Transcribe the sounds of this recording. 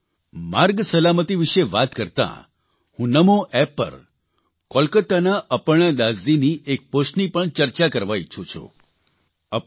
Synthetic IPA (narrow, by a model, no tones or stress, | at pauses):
maɾɡsəlamət̪iʋiʃeʋat̪kəɾt̪ã̰ | hũnəmoʔɛpːə̰ɾ | kɔlkət̪anaʔəpəɳad̪aziniʔek̚poʃnipəɳt͡ʃəɾt͡ʃakəɾʋajt͡ʃʰot͡ʃʰo̰ | ə